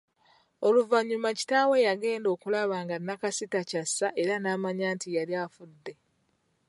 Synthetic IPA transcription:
o̞luvaɲːumaci̥taːwe̞jaɡe̞ːndo̞ːkulaβaːŋɡanːakasitacasːaʔe̞ɾanaːmaɲaːntijaɾiaːfudːe̞

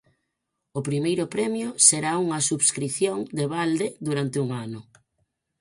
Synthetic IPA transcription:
ʊpɾimejɾʊpɾɛmjʊseɾauŋɐsuβskɾiθjoŋd̪eβald̪ed̪uɾant̪ɪuŋanʊ

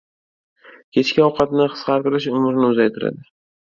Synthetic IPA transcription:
kʲʰe̞t͡ʃkʲɪɒwqʰɑt̪nɪqʰɨ̥sqɑɾt̪ɪɾɪʃʊmɾnɪʊzajt̪ʰɪɾa̰d̪ɪ

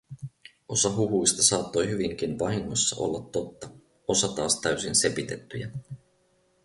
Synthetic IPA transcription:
o̞sɑɦuɦujst̪ɑsɑːt̪ːo̞jɦyʋiŋk̟inʋɑɦiŋːo̞sːɑ̰ʔo̞̰lːɑt̪ːo̞t̪ːɑ | o̞sɑt̪ɑːst̪æɥsinse̞pit̪e̞t̪ːyjæ

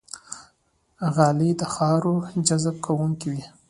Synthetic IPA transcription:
ɣɑlid̪əxɑɾod͡ʒazb̚kʰawuŋkiwi

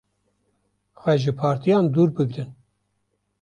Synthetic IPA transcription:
xʷɛʒɨpʰɑːɾt̪ʰijɑːnd̪uːɾbɨɡɾɨn

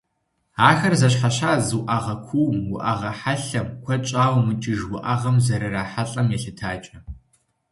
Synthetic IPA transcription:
aːxɐrzɐɕ̬ħaɕaːzɨwʔɐʁɐkʷʰuwmwʊʔɐʁɐħaɬɐmkʷʰɐt͡ʃʼaːwmɨt͡ʃʼɪʒwʊʔɐʁɐmzɐɾɨraːħaɬʼɐmjɛɬɨtʰaːt͡ʃʼɐ

